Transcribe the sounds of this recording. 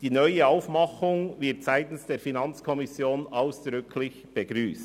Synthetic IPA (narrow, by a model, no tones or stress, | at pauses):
d̥iːnœʏəaʊfmɑχʊŋvɪɐtz̥aɪtn̩sd̥eːɾfinɑnt͡skʰɔmɪsjoːnaʊsd̥ɾʏkʰlɪçb̥əɡɾyːst